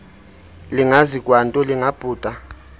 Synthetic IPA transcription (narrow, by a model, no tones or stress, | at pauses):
liŋazikʼwantʼɔliŋab̥ʼʱuːtʼa